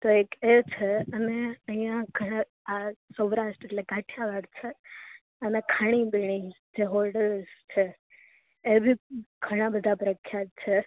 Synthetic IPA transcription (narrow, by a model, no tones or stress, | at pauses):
t̪oeket͡ʃʰeəneəɦĩjãɡʱəɽ̃ã | asəʋɾaʃʈeʈlekaʈʰjaʋaɽt͡ʃʰe | ənekʰaɽ̃ibiɽ̃id͡ʒeɦɔɾɖəɾst͡ʃʰeː | bʱiɡʱəɽ̃ãbəd̪ʱapɾəkʰːjat̪̚t͡ʃʰe